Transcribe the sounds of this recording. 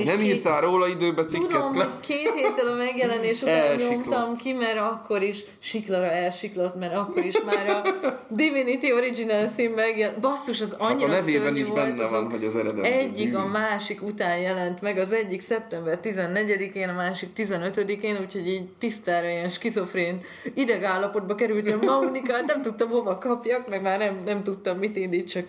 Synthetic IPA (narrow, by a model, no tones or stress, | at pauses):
nɛmiːrt̪aːlɾoːlɒid̪øːbɛt̪sikud̪oɛmlkeːt̪heːt̪ːɛlɒmɛɡjɛlɛneːʃut̪ɛjoktt̪ɒmkimɛɾɒkːo̞ɾiʃ | ʃiklɒɾɒɛlʃiklot̪mɛɾɒkːo̞ɾiʃmaːɾɒd̪ivinit̪io̞ɾid͡ʒinɛlsimːɛɡjɛbɒsːuʃɒzɒɲːinɛveːbɛniʒvobɛnːɛvɒnɦoɟɛzɛɾɛd̪ɛ̰ɛɟːikɒmaːʃikut̪aːnjɛlɛnt̪mɛɡɒzɛɟːiksɛp̚t̪ɛmbɛrt̪izɛnːɛɟɛd̪ikeːnɒmaːʃik̚t̪izɛnø̞t̪ød̪ikeːnuːcʰho̞ɟiːɟt̪ist̪aːɾɒjɛnʃkizo̞freːn | id̪ɛɡaːlːɒpo̞d̪̚bɒkɛɾylt̪ɛmmɒunikaːt̪nɛmt̪ut̪ːɒmho̞vɒkɒpjɒkmɛɡmaːrnɛmnɛmt̪ut̪ːɒmːit̪ind̪itt͡ʃɒk